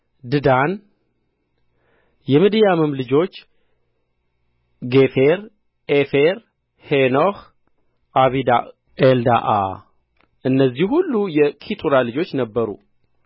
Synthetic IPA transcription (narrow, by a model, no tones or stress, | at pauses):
d̪ɨd̪an | jɛmɨd̪ijamɨmlɨd͡ʒo̞t͡ʃː | ɡefeɾ | ʔefeɾ | henoh | ʔaβid̪a̰ | ʔeld̪a̰ʔa̰ | ʔɨnːəzːihhulːujɛkʰit̪ʼuɾalɨd͡ʒo̞t͡ʃːnəbːəɾṵ